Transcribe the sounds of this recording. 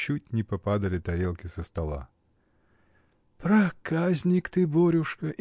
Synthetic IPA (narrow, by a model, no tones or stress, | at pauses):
t͡ɕːutʲnʲɪpɐpad̪əlʲɪt̪ɐɾʲelˠkʲɪsəst̪ɐlˠa̰ | pɾɐkazʲnʲɪkt̪ɨboɾʲʊʂkəʔ